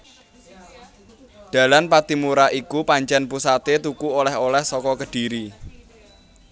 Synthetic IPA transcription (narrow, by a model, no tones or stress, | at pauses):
d̥a̤lanpat̪imuɾaʔikupaɲt͡ʃɛnpusat̪et̪ukuolɛɦolɛhsɔkɔkəɖ̥i̤ɾi